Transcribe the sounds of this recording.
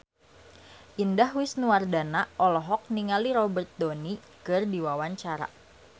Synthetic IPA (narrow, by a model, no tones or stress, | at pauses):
ʔindahwɪsnuardanaʔɔlɔɦɔk̚niŋaliɾɔbərt̪̚doni | kɨrdiwawaɲt͡ʃaɾa̰